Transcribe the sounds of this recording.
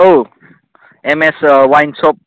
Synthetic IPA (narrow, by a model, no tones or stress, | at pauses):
o | ɛ̃mɛsəwãjnsɔp̚